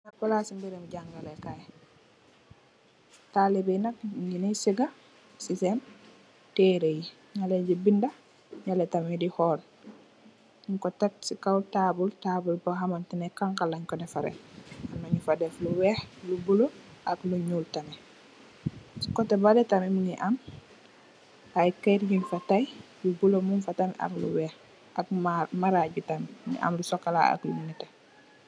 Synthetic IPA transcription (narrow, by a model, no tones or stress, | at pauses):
napalasimbiɾɛmuɟaŋɡalɛkaj | talibɛnakinɛsiɡa | sisɛn | tɛɾeji | ɲalɛɟibinda | ɲalɛtamidihɔːl | ŋkɔtɛtsikawtabultaːbulpɔɦamantinɛkaŋkalaɲkɔdɛfaɾɛ̰anːoɲufadɛfluwɛːxlubuloʔakluɲultanɛ | si̥kɔtɛbadɛtamimuniʔam | ajkajɾɟinfatajjubulomunfatana̰klṵwɛːx | ak̚amaɾaɟutamnḭʔa̰mlusɔkːala̰a̰klumnitɛ